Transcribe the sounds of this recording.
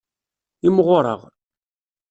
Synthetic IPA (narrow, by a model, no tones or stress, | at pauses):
imʁʊɾˤə̰ʁ